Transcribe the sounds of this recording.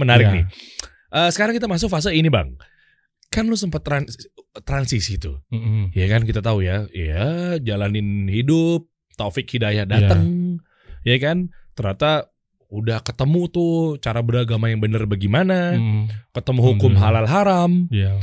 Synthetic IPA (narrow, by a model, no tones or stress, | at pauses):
mənaɾɪk̚nɪ̰ | ʔəsəkaɾaŋkit̪amas̬ʊk̚fas̬əiniba̰ŋ | kanlos̬əmpat̪ːɾant̪ɾansisit̪ujakankit̪at̪aujaiad͡ʒalanɪnhidʊp̚ | t̪ofɪkhidajahdat̪əŋ | jakant̪əɾat̪a | udahkət̪əmut̪ʊt͡ʃaɾabəɾaɡamajaŋbənərbaɡimana | kət̪əmuɦukʊmɦalalɦaɾam